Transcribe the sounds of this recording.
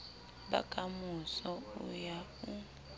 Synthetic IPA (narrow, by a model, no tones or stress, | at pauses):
ba̰kʼamusɔujau